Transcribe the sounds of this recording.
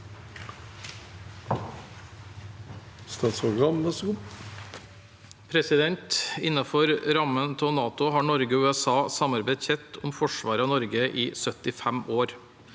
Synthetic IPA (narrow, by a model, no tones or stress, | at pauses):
st̪ɑːt̪spɔɡɑmd̪əskʊp | pʰɾɛsɪd̪ɛnt̪ɪnɑfɔɾɾɑmənt̪ʰonɑːt̪ʊhɑːɳɔɾɡəʉːɛsɑːsɑmɑɾbeɪd̪çɛt̪ʰʊmfɔʃʋɑːɾɑnɔɾɡəʔiːsœt̪ɪfæmoːɾ